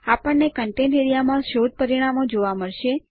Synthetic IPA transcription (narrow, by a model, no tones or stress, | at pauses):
apəɳːekəɳʈẽnɖeɾijamãʃod̪̚pəɾiɽ̃amod͡ʒoʋaməɭʃe